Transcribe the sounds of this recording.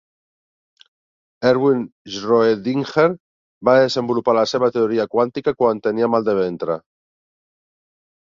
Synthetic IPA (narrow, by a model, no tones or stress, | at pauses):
eɾβwinʒroed̪iŋxeɾ | baðezembulupalaseβ̞at̪eoɾiakwant̪ikakwant̪eniamalˠd̪eβ̞ent̪ɾa̰